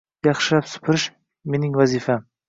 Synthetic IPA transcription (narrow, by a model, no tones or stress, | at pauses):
jɑχʃɪlapsʊ̥pʰɪɾɪʃ | me̞nɪŋvazifa